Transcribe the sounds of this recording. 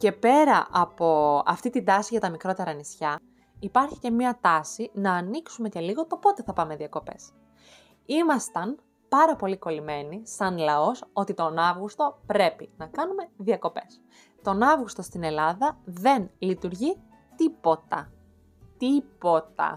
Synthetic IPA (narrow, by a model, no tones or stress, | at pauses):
ce̞pe̞ɾɐʔɐpo̞ɐ̰ft̪it̪ind̪ɐsiʝɐt̪ɐmikɾo̞t̪e̞ɾɐːnisçɐ | ipɐɾçi̥ce̞mɲɐt̪ɐsinɐːniksume̞celiɣo̞t̪o̞po̞t̪e̞θɐpɐmeðiɐko̞pe̞̰s | imɐst̪ɐn | pɐɾɐpo̞liko̞lime̞nisɐnlɐo̞so̞t̪it̪o̞nɐvɣust̪o̞pɾe̞pinɐkɐnume̞ðiɐko̞pe̞s | t̪o̞nɐvɣust̪o̞st̪ine̞lɐðɐðe̞nlit̪uɾʝi | t̪ipo̞t̪ɐ̰ | t̪ipo̞t̪ɐ̰